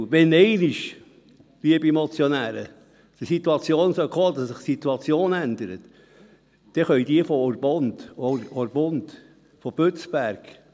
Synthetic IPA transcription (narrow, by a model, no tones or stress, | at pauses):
ʋɛnɛɪnɪʃ | liəbimɔt͡sjɔnæːɾə̰ | d̥əsit̪uɑt͡sjoːnsœχʰoːd̪ɑssɪχsit̪uɑt͡sjoːnænd̪əɾət̪ | d̪̥ɛχœʏd̥̪iəfɔɾb̥ɔnd̪̥ɔɾɔɾb̥ʊnd̪ | fɔb̥øt͡sb̥æɾɡ̥